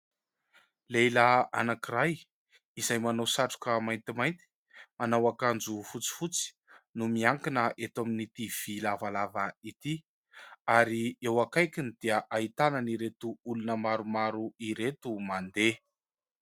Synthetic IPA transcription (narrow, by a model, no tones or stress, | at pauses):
lejlaa̰nakiɾaj | izajmanawsaʈ͡ʂu̥kəmajnt̪imajnt̪i̥ | manawakand͡zufut͡si̥fut͡si̥ | numiaŋkinəʔet̪aminit̪iv̥ilavalavait̪i | aɾiewakajkinid̪̥iəʔait̪anəniɾet̪uulunəmaɾumaɾuiɾet̪umand̪e